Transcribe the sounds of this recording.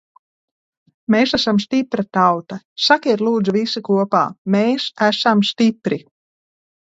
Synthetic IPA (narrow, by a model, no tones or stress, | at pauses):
meːsæsamsʲt̪ipɾat̪awt̪a | sakiɛɾlˠuːd̪zuvisikuɔpa̰ːmeːsæsamst̪ʲipɾi